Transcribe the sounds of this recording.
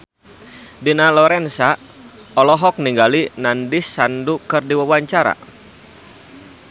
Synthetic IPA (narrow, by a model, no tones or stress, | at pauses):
dinalɔɾɛnsa | ɔlɔɦɔk̚niŋɡalinandɪsːandukɨrdiwawaɲt͡ʃaɾa̰